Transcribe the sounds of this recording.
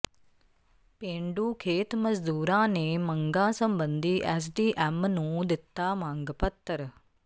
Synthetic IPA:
pẽːɳɖuːkʰeːt̪məzd̪uːɾãːneːməŋɡãːsəmbənd̪iːʔɛːs̬ɖiːʔɛːmnũːd̪ɪt̪ːaːmãːŋɡpət̪ːəɾ

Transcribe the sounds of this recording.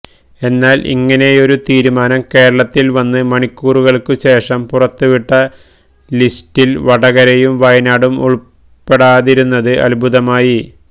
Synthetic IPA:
e̞nːaːlʔḭŋːɐne̞o̞ɾut̪iːɾumaːnɐmke̞ːɾɐɭɐt̪ːilʋɐnːɨmɐɳikʲːuːruɣɐɭkɨɕe̞ːʂɐmpurɐt̪ːuʋiʈːɐ | listilʋɐɽɐɣɐɾɐjumʋɐjnaːɽumṵɭ | pːe̞ɽaːðiɾunːɐðɨʔɐ̰lbʱuðɐmaːji

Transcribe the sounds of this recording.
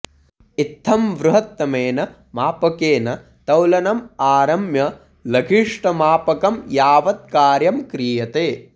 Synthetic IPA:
it̪ʰːɐmʋɾuɦɐt̪ːɐmeːnɐ | maːpɐkeːnɐ | t̪ɐwlɐnɐmaːɾɐmjɐ | lɐɡʰʱiʂʈɐmaːpɐkɐmjaːʋɐt̪̚kaːɾjɐmkɾiːjɐt̪eː

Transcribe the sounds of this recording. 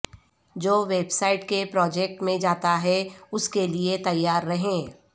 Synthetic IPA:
d͡ʒoːʋeːbsaːɪʈkepɾɔːd͡ʒɛːk̚ʈmẽd͡ʒaːt̪aɦɛʊskeliet̪ɐjːaːɾːɐɦẽː

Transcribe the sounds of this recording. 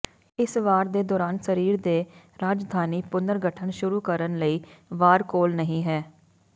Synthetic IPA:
ɪsʋaːɾd̪eːd̪ɔːɾaːnsəɾiːɾd̪eːɾaːd͡ʒd̪ʱaːniːpʊnd̪əɾɡəʈʰəɳʃʊɾuːkəɾənləiːʋaːɾkoːlnəɦĩːɦɛː

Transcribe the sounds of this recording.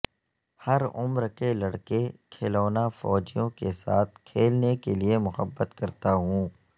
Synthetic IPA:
hɐɾʊmɾkelɐɽkekʰeːloːnafɔːd͡ʒijõkesaːt̪ʰkʰeːlnekeliemʊxəbːət̪kɐɾt̪aɦũː

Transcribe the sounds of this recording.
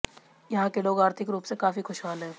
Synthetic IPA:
jɐɦãkeloːɡaːɾt̪ʰɪkɾuːpsekaːfixʊʃɦaːlɦɛ̃ː

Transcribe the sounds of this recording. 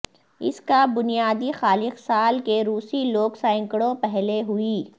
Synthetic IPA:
ɪ̰skabʊnijaːd̪ixaːlɪxsaːlkeɾuːsiloːksãɪ̃ŋkəɽõpɛɦleɦʊiː

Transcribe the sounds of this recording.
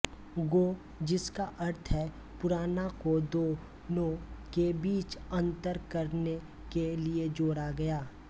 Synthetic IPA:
ɡoː | d͡ʒɪskaʔɐɾt̪ʰɦɛ | pʊɾaːnakod̪oː | nokebiːt͡ʃɐ̃nt̪əɾkɐɾne | kelied͡ʒoːɽaɡɐjaː

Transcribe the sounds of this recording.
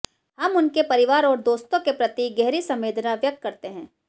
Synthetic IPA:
hɐmʊnkepɐɾɪʋaːɾɔːɾd̪oːst̪õkepɾɐt̪iːɡɛɦɾisɐ̃meːd̪naʋjɐk̚t̪kɐɾt̪eɦɛ̃ː

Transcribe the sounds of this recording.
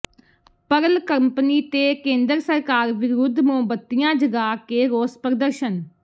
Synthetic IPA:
pəɾəlkəmpniːt̪eːkẽːnd̪əɾsəɾkaːɾʋɪɾud̪ʱmõːbət̪ːijãːd͡ʒəɡaːkeːɾoːspɾəd̪əɾʃən

